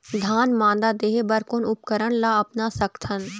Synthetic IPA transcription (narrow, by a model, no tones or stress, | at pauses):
d̪ʱaːnmãːnd̪ad̪eːɦebɐɾkonʊpkəɾəɽ̃laːɐpnasɐkt̪ʰən